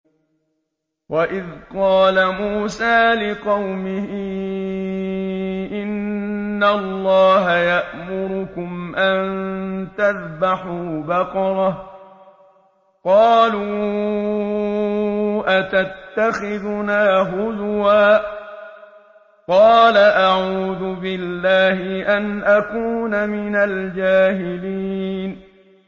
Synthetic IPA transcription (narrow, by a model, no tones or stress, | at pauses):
waʔɪðqɑːlamuːsaːlɪqɑwmɪhi | ʔɪnː | alˤːɑːɦajaʔmʊɾʊkʊmʔant̪aðbaħuːbɑqɑɾˤɑ | qɑːluː | ʔat̪at̪ːaxɪðnaːɦʊd̪waː | qɑːlaʔaʕuːðʊbɪlːaːhɪʔanʔakuːnamɪnald͡ʒaːɦɪliːn